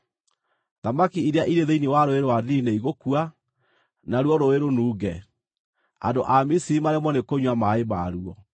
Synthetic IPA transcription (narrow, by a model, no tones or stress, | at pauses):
ðamakiiɾeaʔiɾeðeiniwaɾoeɾowaðineiɣokua | naɾuɔɾoeɾonuːɡɛ | a̰ndoʔamisiimaɾɛmwɔnekoɲwamaemaɾuɔ